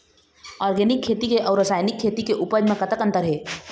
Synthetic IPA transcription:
ɔːɾɡɛnikʰːet̪ikeʔɔʊɾəsaːjnikʰːeːt̪ikeʔupəd͡ʒmẽkət̪əkə̃nt̪əɾɦe

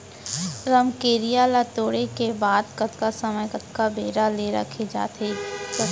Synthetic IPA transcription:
ɾɐmkeːɾijaːlat̪oːɽekebaːd̪kɐt̪kasɐməjkɐt̪kabeːɾaleɾɐ̰kʰed͡ʒa̰ːt̪ɦe

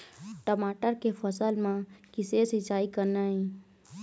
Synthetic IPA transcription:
ʈəmaːʈəɾkepʰəsəlmãkɪsesɪt͡ʃaːikəɾnaɦĩ

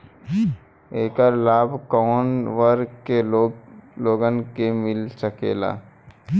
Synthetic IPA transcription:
eːkəɾlaːbʱkɔːnʋəɾkeloloːɡənkemɪlsəkeːla̰ː

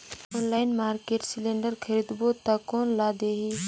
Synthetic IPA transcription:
oːnlaːɪnmaːɾkeːʈsɪlẽːɳɖəɾkʰɐɾiːd̪bot̪akoːnlaːd̪eːɦiː

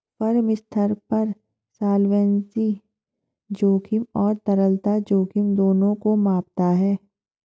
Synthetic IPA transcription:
pɐɾmɪst̪ʰəɾpɐɾ | saːlʋɛ̃ːnzi | d͡ʒoːkʰɪmɔːɾt̪əɾəlt̪ad͡ʒoːkʰɪmd̪oːnõkomaːpt̪aɦɛː

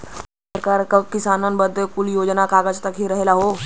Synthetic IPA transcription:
səɾkaɾkəkisanənbəd̪ʱːəkuljod͡ʑnakaɡat͡ɕt̪əkʰiːɾəɦelaɦo

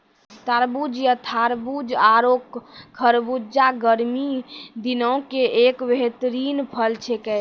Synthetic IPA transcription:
t̪aɾbud͡ʒjət̪ʰaɾbud͡ʒaɾokkʰːəɾbud͡ʒaɡəɾmid̪inɔkeekbeɦt̪ɾinpʰəlt͡ʃʰekɛ

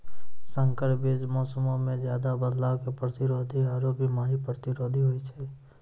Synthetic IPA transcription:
sə̃ŋkəɾbed͡ʒmɔːsəmõmẽd͡ʒjaːd̪abəd̪laːʋkepɾət̪ɪɾoːd̪ʱiaːɾoːpimaːɦipɾət̪ɪɾoːd̪ʱiɦoit͡ʃʰɛː

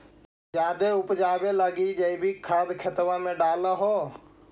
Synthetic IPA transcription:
d͡ʒaːd̪eʊpd͡ʒaːbeləɡid͡ʒeibʱikʰaːd̪kʰət̪ʋãmẽɖaːlaɦoː

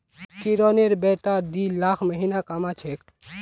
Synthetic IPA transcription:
kiɾoːneɾbɛːʈ̪ad̪ilaːkʰməɦiːnakamat͡ʃʰeːk

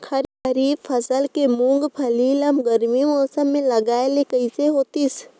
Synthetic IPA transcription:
kʰɐɾkʰəɾiːbpʰɐsəlkemũŋɡpʰɐliːlɐmɡəɾmimɔːsəmːẽlɐɡaːelekɐiseɦoːt̪is

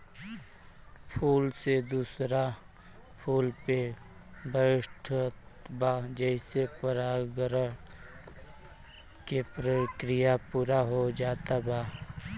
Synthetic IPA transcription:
pʰuːlsed̪uːsɾa | pʰuːlpe | bʱəʋɪʃʈʰət̪baːd͡ʒɛɪsepəɾaːɡɾə | kepɾəkɾɪjapuːɾaɦod͡ʒaːt̪abaː

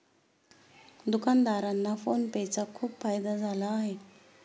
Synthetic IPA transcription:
nd̪ukand̪aɾanːafonbet͡sakʰupʰajd̪azalaɦi

